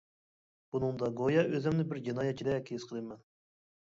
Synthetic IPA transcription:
b̥unɨŋd̪ɑɡojɑøzɪmnɪbɪɾd͡ʒinɑjɛt̪̚t͡ʃʰid̪ɛkʲʰesqʰəlˠɨmɛn

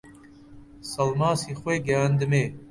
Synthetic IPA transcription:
sɐlmaːsiːxweːɡjaːnd̪ɨmeː

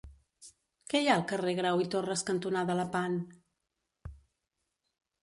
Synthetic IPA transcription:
kɛjaəlˠkəreɣ̞ɾawit̪orəskənt̪unaðələpan

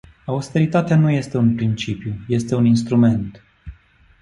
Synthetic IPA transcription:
aust̪e̞ɾit̪at̪eanuje̞st̪e̞unpɾint͡ʃipjuje̞st̪e̞uninst̪ɾume̞nt̪

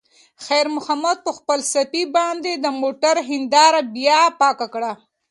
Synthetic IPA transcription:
xajɾmʊhamad̪̚pəxpəlsapibɑnd̪ed̪əmoʈaɾɦɪnd̪ɑɾabjɑpɑkakɽa

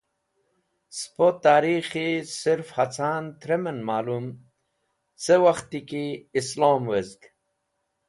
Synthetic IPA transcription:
spot̪ːaːɾixisiɾfhat͡sʰaːnt̪ɾemenmaːlum | sewaxt̪ikiːsloːmwezɡ

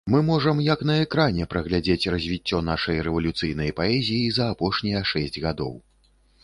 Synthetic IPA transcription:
mɨmɔʐɐmjɐkn̪ɐɛkɾanʲɛpɾɐɣlʲad͡zʲet͡sʲrɐzʲvʲit͡sʲːɔnaʂɐjɾɛvɐlʲut̪sɨjnɐjpaɛzʲijizɐːpɔʂnʲijɐʂɛsʲd͡zʲɣad̪ɔ̰w

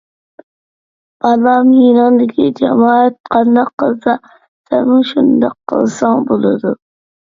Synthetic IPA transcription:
b̥ɑlɑmjinɑŋd̪ɪɡʲɪd͡ʒamɒat̪̚qʰɑnd̪ɑqːɨlˠsa | saɾmɪʃʊnd̪ɑqʰːɨ̰lˠsɑŋbolˠad̪ʊ

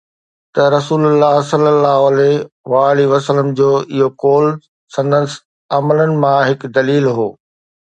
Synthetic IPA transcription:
t̪ɐɾɐsuːlʊlːaːɦsɐlːəlːaːɦoɐleʋaːliʋɐsələmd͡ʑoːɪɦokoːl | sɐ̃nd̪əs | ɐmələnɪ̆mãɦɪkd̪ɐliːlɦoː

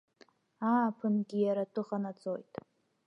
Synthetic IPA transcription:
aːpʰɨnɡʲijaɾatʰʼɨχanat͡sʼo̞jtʼ

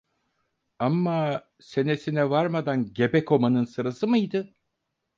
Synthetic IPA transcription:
amːa | se̞ne̞sinɛvaɾmad̪anɟe̞bɛko̞manɯnsɯɾasɯmɯjd̪ɯ

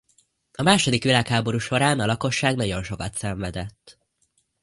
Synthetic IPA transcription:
ɒmaːʃo̞d̪ikʋilaːkhaːbo̞ɾuːʃo̞ɾaːnɒlɒko̞ʃːaːɡnɒɟo̞nʃo̞kɒt̪sɛɱvɛd̪ɛt̪ː

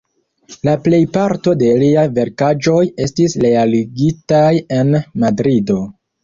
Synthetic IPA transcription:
laple̞jpaɾto̞deliajve̞ɾkad͡ʒo̞je̞stisɾe̞aliɡitaje̞nmadɾido̞

